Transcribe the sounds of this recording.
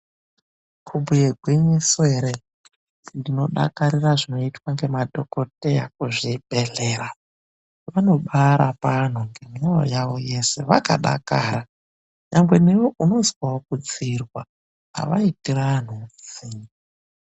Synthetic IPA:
kʰubujeɡʱweɲeseɾe | ndino̞ɗa̰kaɾiraʐino̞itwaŋɡe̞madʱo̞ko̞teja̰k̚uʐibʱeɮe̞ːɾa | ʋano̞ɓaɾapan̤uŋɡe̞mao̰jaʋo̞jese̞ʋaka̰ɗa̰kaːɾa | ɲambwe̞newoʔuno̞zwaokut͡sirwa | a̰ʋaitiran̤ut͡si

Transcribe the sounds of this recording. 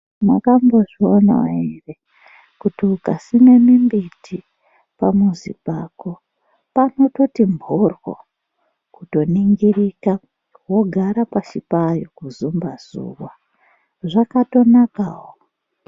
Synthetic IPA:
nakamboʐiona̰wa̰ire | kutiukasine̞mimbitʰi | pamuzḭpako̞ | pano̞to̞timbʱorwo̰ | kuto̞niŋɡirika | wo̞ɡʱaɾapat͡ʃipajokuzumbaz̥ṵːwa | ʐakato̞nakaːɦo

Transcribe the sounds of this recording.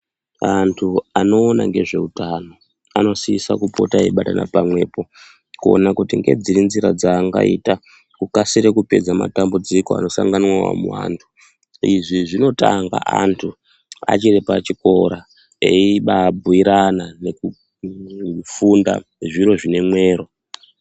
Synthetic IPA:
antʰuano̞ːnaŋɡe̞ʐe̞utano̞ | ano̞siisakupo̞̰taiɓatana̰pamwe̞ːpo̞ | kuo̰nakutiŋɡe̞̰d͡ziɾinziɾad͡zaːŋɡa̰ita | kukasiɾekupe̞d͡zama̰tambud͡zikoa̰no̞saŋɡanwawa̰muwa̰ːntʰu | iʐiʐino̞taŋɡa̰ʔantʰu | a̰t͡ʃirepat͡ʃiko̞ɾa | eiɓabʱuiɾanane̞ku | funda̰ʐiɾo̞ʐine̞mwe̞ːro̞

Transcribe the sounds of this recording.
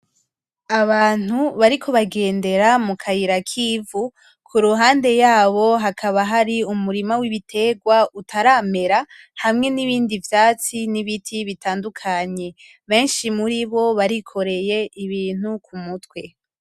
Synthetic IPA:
aβaːn̥huβaɾikʰo̞βaɡe̞ːnde̞ɾamukʰajiɾakʰiːvu | kʰuɾuɦaːnde̞jaːβo̞ɦakʰaβaɦaɾiumuɾimawiβitʰe̞ɡwautʰaɾame̞ɾa | hamŋe̞niβiːndivjaːt͡siniβitʰiβitaːndukʰaɲe̞ | βe̞ːnʃimuɾiβo̞βaɾikʰo̞ɾe̞jeʔiβiːn̥ukumutwe̞

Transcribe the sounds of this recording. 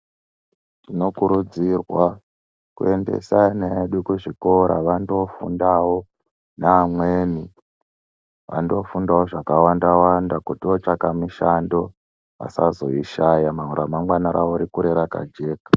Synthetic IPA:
tino̞kuɾud͡zirwa | kue̞ndḛsaaneɗukuʐiko̞ɾʔa̰ʋando̞fṵndawo | naːmweːni | ʋa̰ndo̞fundawoʐakawandawandakutiot͡ʃakamiʃando̞ | ʋa̰sazo̞̰iʃajamauɾamaŋɡwanaɾawoɾikuɾeɾaka̰d͡ʒe̞ːkḁ

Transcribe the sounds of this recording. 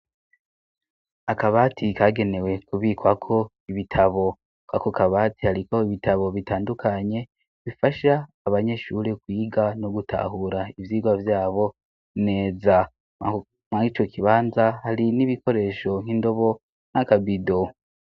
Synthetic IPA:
akaβaːtʰikaɡe̞ne̞we̞kuβiːkwakʰo̞ | iβitʰaβo̞ | kwakokaβaːtihaɾikoiβitaβo̞βitaːndukʰaɲe̞ | βifaʃaː | βaɲe̞ʃuːɾekwiːɡano̞ɡutʰa̰ɦuɾaivjiːɡwavjaːβo̞ | ne̞ːza | mait͡ʃo̞kʰiβaːnzahaɾiniβikʰo̞ɾe̞ʃo̞ŋindo̞βo̞ | nakabido

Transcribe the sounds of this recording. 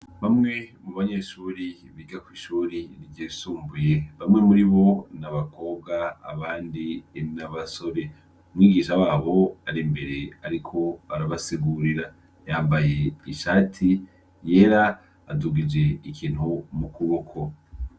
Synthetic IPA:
βamŋe̞muβaɲeʃuɾi | βiːɡakwiːʃuːɾiniɟiːsuːmbujeβamŋe̞muɾiβo̞naβako̞ːbɡaa̰βaːndinaβaso̞ɾe̞ | umŋiːɡiʃawaːβo̞aɾimbe̞ɾe̞aɾikʰo̞aɾaβasiɡuɾiɾa | jaːmbaje̞iʃaːtʰi | je̞ːɾaː | duɡid͡ʒe̞ikʰiːnhumukuβokʰo̞

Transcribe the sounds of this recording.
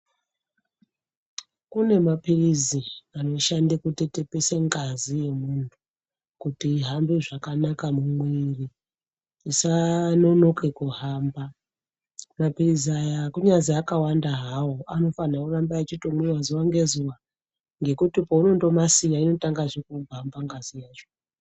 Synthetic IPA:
kune̞mapiriziano̞ʃandikute̞te̞peseŋɡazije̞muntʰu | kutiɦambiʐakanakamumwiriː | sano̞no̞kekuɦaːmba | mapiriziajakuɲaziakawandaɦawoʔano̞fanakurambaːt͡ʃitomwiwazuwaŋɡe̞zuwa | ŋɡe̞kutipouno̞ndo̞masijaino̞taŋɡaʐekubambaŋɡazijaʐo

